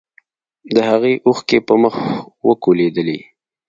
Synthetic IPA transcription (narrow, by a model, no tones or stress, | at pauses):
d̪əhaɣeʔuxkepəməxwəkoled̪əlḭ